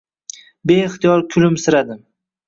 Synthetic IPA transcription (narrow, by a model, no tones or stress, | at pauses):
beɪχt̪ijɒɾkʲʰʊlɪmsɪɾad̪ɪm